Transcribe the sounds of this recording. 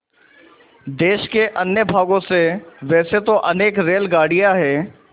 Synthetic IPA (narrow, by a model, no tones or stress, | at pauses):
d̪eːʃkeʔɐnjəbʱaːɡõseʋɛːset̪oʔɐneːkɾeːlɡaːɽijaɦɛː